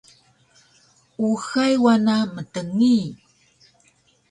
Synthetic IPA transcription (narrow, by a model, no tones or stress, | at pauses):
uxajwanamətəŋi